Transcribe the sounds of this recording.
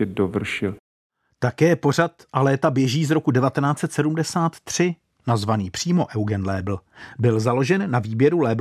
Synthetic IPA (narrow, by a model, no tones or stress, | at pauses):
ɛdovr̩ʃɪl | t̪akɛːpo̞r̝at̪ʔalɛːt̪abjɛʒiːzɾo̞kudɛvat̪ɛnaːtt͡sɛt̪sɛdumdɛsaːt̪ːr̝̥ɪ | nazvaniːpr̝̥iːmo̞ʔɛwɡɛnlɛːbl̩bɪlzaloʒɛnːaviːbjɛɾulɛːb